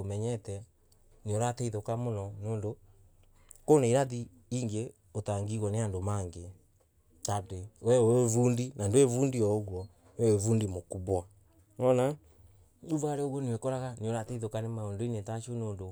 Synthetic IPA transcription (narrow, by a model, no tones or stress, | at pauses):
omɛɲɛtɛ | neoɾatɛiðokamonɔnoːndo | konaiɾaði | iŋɡe | otaŋɡiɣwɔneandomaŋɡe | tadewɛevuːndinandoevuːndiɔoɣwɔ | nɛwevuːndimokuβwa | ŋɔna | ɲuvaɾeoɣwɔnewekɔɾaɣaneoɾatɛiðokanemaondoinetaʃonoːndo